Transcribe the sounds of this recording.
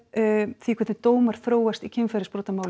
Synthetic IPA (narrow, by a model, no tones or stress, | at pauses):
θikʰɛt̪ɪt̪oːwmaɾ̥θɾoːwast̪icʰɪnfɛɾɪspɾoːt̪amaːwl